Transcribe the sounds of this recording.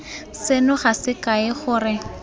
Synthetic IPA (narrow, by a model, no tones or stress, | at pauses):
sɪnʊχasɪkaɪχʊːrɪ